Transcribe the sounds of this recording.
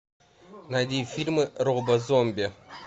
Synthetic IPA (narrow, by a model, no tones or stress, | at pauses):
nad̪ʲifʲilʲmɨɾobɐzomʲbʲe